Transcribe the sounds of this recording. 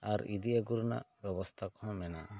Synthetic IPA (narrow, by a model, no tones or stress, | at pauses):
aɾid̪iaɡuɾna̰ʔbɛbɔst̪ʰakɔhɔ̃mɛnaʔ